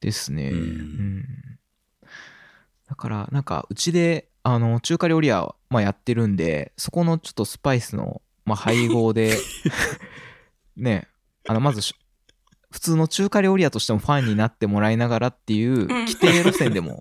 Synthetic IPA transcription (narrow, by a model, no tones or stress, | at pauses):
d̪̥e̞sɨne̞̰ɯ̟̃ɴ | d̪̥akaɾa̰nãŋka̰ɯ̟t͡ɕid̪e̞ | ano̞t͡ɕɨːkaɾʲioɾʲia̰majat̪ːe̞ɾɯ̟̃nd̪e̞̰so̞ko̞no̞t͡ɕo̞̥t̪ːo̞sɨ̥paisɨno̰ | mahaiɡo̞ːd̪e̞ | ne̞ | ano̞mazɨɕ | ɸɯ̟̥t͡sɨːno̞t͡ɕɨːkaɾʲioɾiat̪o̞ɕi̥t̪e̞mo̞ɸãɲ̟ːinat̪ːe̞mo̞ɾaenaɡaɾat̪ːe̞jɯ̟ːkʲi̥t̪eeɾo̞sẽ̞nd̪e̞mo̰